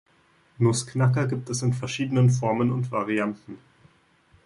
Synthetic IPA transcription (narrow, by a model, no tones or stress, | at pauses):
nʊsknakɐɡiːp̚tɛsɪnfɛɐʃiːdənənfɔɐmənʊntv̥aʁiantn̩